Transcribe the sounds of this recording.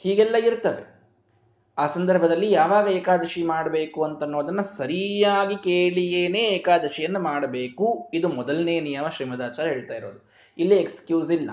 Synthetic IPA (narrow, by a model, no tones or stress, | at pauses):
hiːɡɛlːɐiɾt̪ɐʋḛ | aːsɐnd̪ɐɾbʱɐd̪ɐlːijaːʋaːɡɐɛːkaːd̪ɐʃimaːɽɐbe̞ːkuɐnt̪ɐnːoːd̪ɐnːɐsɐɾijaːɡikeːɭijeːne̞ːɛːkaːd̪ɐʃijɐnːɐmaːɽɐbeːkuid̪umɔd̪ɐlneːnijɐmɐʃɾiːmɐd̪aːt͡ʃaːɾɐɦeːɭt̪aːjiɾoːd̪u | ilːiekskjuːsilːɐ̰